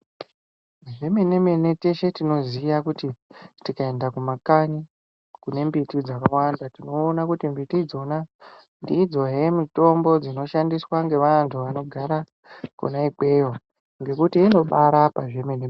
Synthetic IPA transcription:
ʐe̞me̞ne̞me̞ne̞te̞ʃe̞tino̞zijakutitikae̞ndakumakaɲi | kune̞mbitid͡zakawandatino̞ːnakutimbitid͡zo̞na | ndiːd͡zo̞ɦe̞mito̞mbo̞d͡zino̞ʃandiswaŋɡe̞ʋantʰuʋano̞ɡʱaɾa | kṵnaipe̞jo | ŋɡe̞kutiːno̞ɓaɾapaʐe̞me̞nem

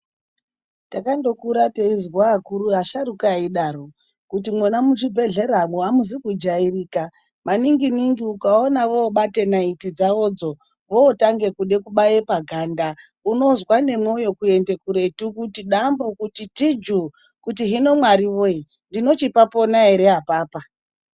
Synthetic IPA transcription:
takando̞kuɾateizwaːkuɾuaʃaɾukaiɗaro | kutimwonamuʐibʱe̞ɮe̞ɾamoamuzikud͡ʒairiːka | maniŋɡiniŋɡiukaonaʋo̞ːɓate̞naitid͡zaʋo̞ːd͡zo̞ | ʋo̞ːtaŋɡe̞kuɗe̞kuɓajepaɡʱanda | uno̞zwane̞mweojo̞kue̞nde̞kuɾe̞tukutiɗambukutitid͡ʒu | kutiɦino̞mwaɾiʋoi | ndino̞t͡ʃipapo̞nae̞ɾe̞ɦapaːpa

